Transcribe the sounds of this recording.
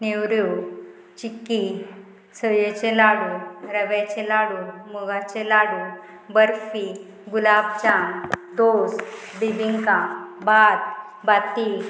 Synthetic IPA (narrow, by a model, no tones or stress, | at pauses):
niwɾu | t͡ɕikːi | səjet͡ɕelaɽuɾəʋɛt͡ɕelaɽumuɡat͡ɕelaɽu | bəɾfi | ɡulab̚t͡ɕãŋd̪osbibiŋkãbat̪̚ | bat̪i